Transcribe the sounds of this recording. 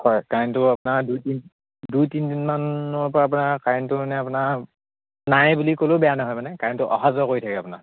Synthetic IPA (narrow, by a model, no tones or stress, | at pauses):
hɔjkaɹntʊapʊnaɹdujtin | dujtindinmanɔɹpɔɹaːp̬ʊnakaɹntʊmanɛap̬ʊna | najbulikolʊbɛjanaɦɔjmanɛkaɹntʊʔɔxazɔkoɹitʰakɛapʊna̰